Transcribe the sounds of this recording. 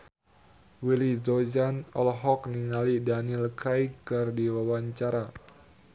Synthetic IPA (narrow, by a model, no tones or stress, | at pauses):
wilidod͡ʒanɔlɦɔkniŋalidanilkɾajkərdiwawaɲt͡ʃaɾa